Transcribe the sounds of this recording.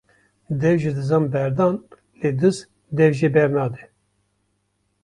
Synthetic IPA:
d̪ɛvʒɨd̪ɨzɑːmbɛɾd̪ɑn | led̪ɨz | d̪ɛvʒebɛɾnɑːd̪ɛ

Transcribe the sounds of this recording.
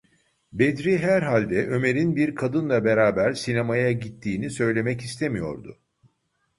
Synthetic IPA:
bed̪ɾiɦæɾɦalʲd̪ɛʔø̞me̞ɾinbiɾkʰad̪ɯnlˠabe̞ɾaːbæɾsinemajaɟit̪ʰːiːnisø̞jlʲe̞mɛcist̪ʰemijo̞̰ɾd̪ʊ̰

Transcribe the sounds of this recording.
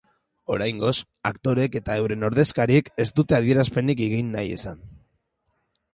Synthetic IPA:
o̞ɾajŋɡo̞s | akt̪o̞ɾe̞ke̞t̪ae̞wɾe̞no̞ɾðe̞skaɾieke̞st̪ut̪e̞að̞ie̞ɾaspe̞nikeɣ̞inːaje̞san

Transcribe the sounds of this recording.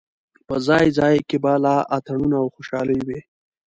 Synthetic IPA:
pəzɑjzɑjkebalɑʔat̪aɳunaːwxoʃɑləjwe

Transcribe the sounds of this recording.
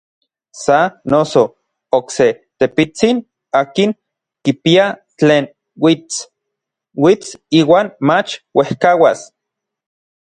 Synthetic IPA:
sanoso | okse | t̪epit͡sin | aːkiŋ | kipia | t͡ɬeːn | wit͡s | wit͡siːwaːnmat͡ʃwehkawas

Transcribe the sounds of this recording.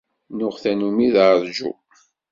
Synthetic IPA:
nʊʁθænumiððʒṵ

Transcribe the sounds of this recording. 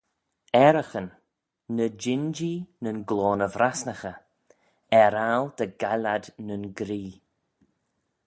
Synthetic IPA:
ɛɾəxənː | əd͡ʒɪnd͡ʒinənɡloːnəvɾasnəxə | ɛɾald̪̥əɡalad̪nənɡɾiː

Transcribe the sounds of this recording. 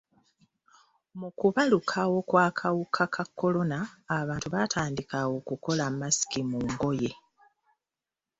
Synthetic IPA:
mukuβalukʰawo̞kwaːkʰawukʰakʰakːo̞lo̞naːβaːntuβatʰaːndikawo̞kuko̞lamːasi̥kimuːŋɡo̞je̞

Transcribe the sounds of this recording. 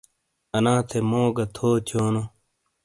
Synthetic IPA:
ɐnãːt̪ʰemoːɡɐt̪ʰoːt̪ʰoːno

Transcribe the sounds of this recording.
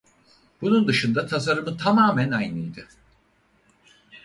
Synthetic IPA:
b̥unund̪ɯʃɯnd̪at̪ʰas̬aɾɯmɯt̪ʰamaːmænajnɯjd̪ɯ

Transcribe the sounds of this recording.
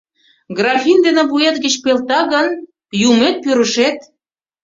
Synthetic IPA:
ɡrɑfind̪enĕβuet̪ɡə̆t͡ɕpelt̪ɑɣən | jumet̪̚pyɾəʃet̪

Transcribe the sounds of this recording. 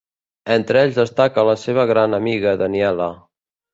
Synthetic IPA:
ent̪ɾeʎzðəst̪akələseβ̞əɣɾanəmiɣəðəniɛlə

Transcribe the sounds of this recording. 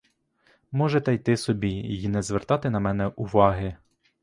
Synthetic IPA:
mɔʒɛt̪ɛjt̪ɪsɔbʲiinɛzʋert̪ɑt̪ɪnɐmɛnɛʔʊʋɑɦɪ

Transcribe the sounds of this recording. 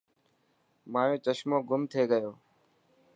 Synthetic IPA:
mãːjõːt͡ʃəʃmõːɡʊmt̪ʰeːɡəjoː

